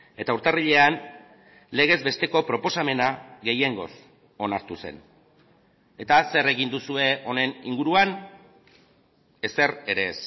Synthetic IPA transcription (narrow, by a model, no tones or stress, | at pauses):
e̞t̪auɾt̪ariʎe̞an | le̞ɣ̞e̞zbe̞st̪e̞ko̞pɾo̞po̞same̞naɣe̞jeŋɡo̞̰s | o̞naɾt̪use̞̰n | e̞t̪ase̞re̞ɣind̪usue̞o̞ne̞nḭŋɡuɾuan | e̞se̞ɾe̞ɾe̞s